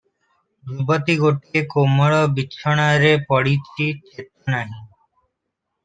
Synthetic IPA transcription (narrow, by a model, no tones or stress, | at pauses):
d͡ʑubat̪iɡoʈiekomːɔɭɔbitːʃʰɔɽ̃aɾepɔɽit͡ɕʰit͡ɕet̪anaɦĩ